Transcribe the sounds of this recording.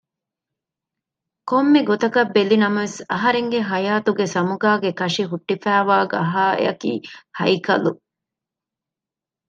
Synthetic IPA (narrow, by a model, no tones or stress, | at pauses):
komːiɡot̪ɐkɐbːelinɐmɐʋesɐɦɐɾeŋɡeɦɐjaːt̪uɡesɐmuɡaːɡekɐʂiɦuʈːifæːʋaːɡɐɦaːḛɐkḭːhɐ̰jkɐlṵ